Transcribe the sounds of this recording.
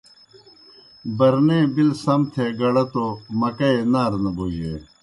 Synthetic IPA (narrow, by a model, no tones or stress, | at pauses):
bɐɾneːbilsɐmt̪ʰeɡɐɽɐt̪omɐkɐenaːɾnɐboːijḛ